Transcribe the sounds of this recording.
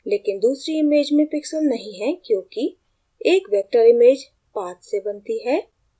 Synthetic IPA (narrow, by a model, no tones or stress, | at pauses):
leːkɪnd̪uːsɾiɪmeːd͡ʒmẽpɪksəlnɐɦĩɦɛkjõːki | eːkʋɛːk̚ʈəɾɪmeːd͡ʒ | pãːt̪sebənt̪iɦɛː